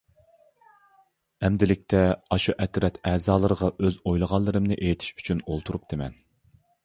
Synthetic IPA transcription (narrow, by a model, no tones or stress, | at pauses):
ɛmd̪ɪlɪk̚ʲt̪ʰɛɑʃuʔɛt̪ɾɛt̪ʰɛːzɑːlˠəɾəʁɑʔøzojlˠəʁɑlˠːɨɾɨmnɨʔejt̪ʰɪ̥ʃy̥t͡ʃʰynolˠt̪ʰuɾup̚d̪̥ɪmɛn